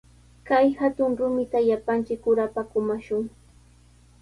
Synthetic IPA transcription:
kajhat̪ʊŋɾʊmɪt̪aʎapant͡ʃɪkːʊɾapakʊmaʃʊŋ

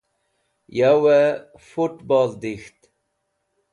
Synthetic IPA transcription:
jawɛ | fuʈbɑld̪ixt̪

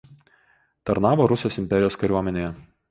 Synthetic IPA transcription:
t̪ɐɾnɑːʋoːɾʊsʲoːsɪmʲpʲɛɾʲɪjoːskɐɾʲuɔmʲɛnʲeːjɛ

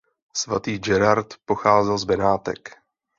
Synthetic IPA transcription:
sva̰t̪iːd͡ʒɛɾaɾt̪poxaːzɛlzbɛnaːt̪ɛ̰k

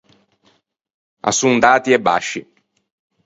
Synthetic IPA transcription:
a̰sund̪aːt̪iɛbːa̰ʃːi

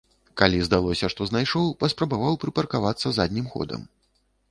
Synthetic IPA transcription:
kalʲizd̪alˠɔsʲɐʂt̪ɔznajʂɔwpɐspɾɐbavawpɾɨpɐrkavat̪sːɐzad̪ʲnʲimxɔ̰d̪ɐ̰m

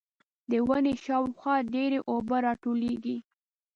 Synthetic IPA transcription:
d̪əwaneʃɑwxwɑɖeɾeʔobaɾɑʈoleɡi

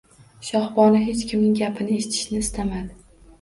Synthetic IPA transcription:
ʃɒhbɒnɪɦe̞t͡ʃkʲɪmnɪŋɡʲapʰɪnɪeʃɪt̪ʰɪ̥ʃnɪːst̪amad̪ɪ

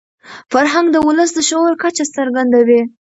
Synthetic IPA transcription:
faɾɦaŋɡd̪əwʊləsd̪əʃoɾkat͡ʃasəɾɡand̪awe

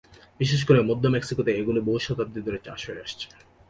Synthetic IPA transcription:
biʃeʃ̬koɾemɔd̪ʱːomeksikot̪eeɡuloboɦuʃɔt̪ab̚d̪id̪oɾet͡ɕa̰ʃɦoeaʃt͡ɕʰe̥

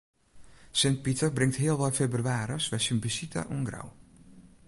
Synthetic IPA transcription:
sɪnt̚pitəbrɪŋtɦiəlˠʋɔjfebryaːɾəsʋɛjsənbisitʰə̰ʔuŋɡra̰w

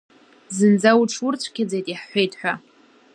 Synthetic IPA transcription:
zɨnd͡zawuʈ͡ʂʰʊrt͡ɕʷʰkʲʰad͡zejtʼiħːʷejtʼħʷᶣa

